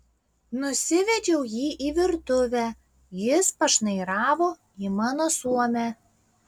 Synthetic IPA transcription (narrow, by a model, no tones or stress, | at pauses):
nʊsʲɪʋʲɛd͡ʒʲɛʊjiːʔiːʋʲɪɾt̪ʊʋʲæː | jɪspɐʃnɐɪɾɑːʋoː | iːmɑːnoːsuɔmʲæ